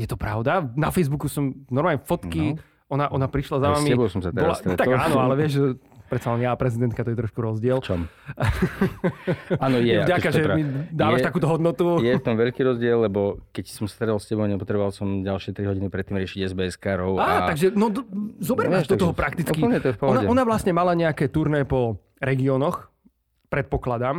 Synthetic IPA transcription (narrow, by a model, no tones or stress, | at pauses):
jɛt̪ɔpɾaʊd̪anafɛjzbukusɔmnɔɾmaːɲɛfɔt̪kki | ɔnaʔɔnapɾiʃlazaʋamiɛbɔʊsɔmsat̪bɛbɔɾlsst̪ɾɛt̪aɡaːnɔalɛʋɪɛʒɛ | pɾɛt̪t͡salɛnjaːpɾɛzid̪ɛnt̪̚kat̪ɔjɛt̪ɾɔʃkuɾɔzɟɪɛlt͡ʃɔm | aːnɔjjɛɛvɟakaʒɛmid̪aːʋʋaʃtakuːt̪ɔɦɔd̪nɔt̪ujɛft̪ɔmʋɛʎkiɾɔzɟɪɛlːɛbɔkɛcsɔmst̪ɾɛlscɛbɔʊɲɛpɔt̪ɾɛbɔʋalsɔmɟalʃɪɛt̪ɾiɦɔɟinipɾɛt̪ːiːmɾɪɛʃiɟɛzbɛɛskaɾɔʊaːaaɡʒɛnɔzɔbɛɾaːzd̪ɔt̪ɔɦɔpɾakt̪it͡skiɲɛt̪ɔɛpɔɔnaɔnaʋlasɲɛmalaɲɛakɛːt̪uɾnɛːpɔ | ɾɛɡiɔnɔx | pɾɛt̪̚pɔklad̪am